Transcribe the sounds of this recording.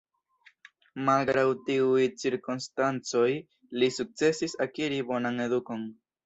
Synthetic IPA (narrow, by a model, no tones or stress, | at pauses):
malɡɾawtiujt͡siɾkunstant͡so̞j | lisuk̚t͡se̞sisakiɾibo̞nane̞duko̞n